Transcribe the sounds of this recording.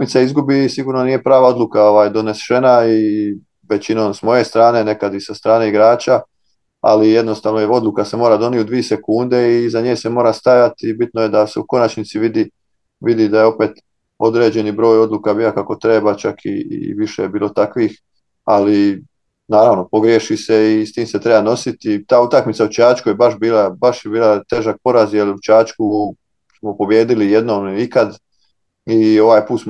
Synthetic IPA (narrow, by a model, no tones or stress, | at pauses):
mit̪saizɡubisiɡuːɾnonije̞pɾaːʋao̞d̪lukao̞ʋaːjd̪o̞nesʃenai | ʋe̞t͡ɕino̞msmo̞je̞st̪ɾaːne̞ne̞kad̪isast̪ɾaːne̞iɡɾaːt͡ɕa | a̰lije̞d̪no̞st̪aːʋnoeo̞d̪lˠukase̞moɾad̪o̞nijud̪ʋiese̞kuːnd̪e̞izaɲeːse̞mo̞ːɾast̪ajat̪ibit̪noje̞d̪aseuko̞nat͡ɕnit̪siʋid̪i | ʋid̪id̪aje̞o̞pe̞ːt̪ | o̞d̪ɾe̞d͡ʑe̞nibɾo̞ːjo̞d̪lˠuːkabiːjokako̞t̪ɾe̞bat͡ʃakʰḭʋiʃḛjebiːlˠo̞t̪akʋiːx | ali | naːɾaʋno̞po̞ɡɾjeʃise̞ist̪iːmse̞t̪ɾe̞bano̞sit̪it̪aːut̪akmit̪saut͡ʃaːt͡ʃkujebaʃbiːlˠabaʃjebiːlˠat̪e̞ːʒak̚po̞ɾazjelut͡ʃaːt͡ʃku | smopo̞bje̞ːd̪ilije̞d̪noːmikad̪ | io̞ʋaːjpuːt̪s